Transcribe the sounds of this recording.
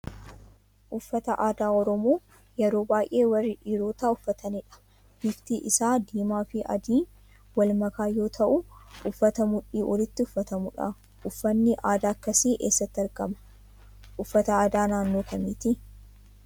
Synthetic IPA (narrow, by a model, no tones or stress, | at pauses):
ʔʊfːɐt̪ɐʔaːd̪aːɔɾɔmoː | jɛɾo̞ːbaːjʔeːwɐrːɪᶑiːɾo̞ːt̪aːʊfːɐt̪ɐnɪᶑɐ̥ | b̥ɪft̪iːʔɪsaːd̪iːmaːfɪʔɐ̰d̪iː | wɐlmɐkaːjo̞ːt̪ʰɐʔʊʔʊfːɐt̪ɐmʊᶑiːʔɔlɪt̪ːɪʊfːɐt̪ɐmʊᶑɐ̰ | ʔʊfːɐnːɪʔaːd̪aːɐkːɐsiːʔḛːsːɐt̪ːɪɐɾɡɐmɐ̥ | ʔʊfːɐt̪ɐaːd̪aːnaːnːo̞ːkʰɐmiːt̪ɪ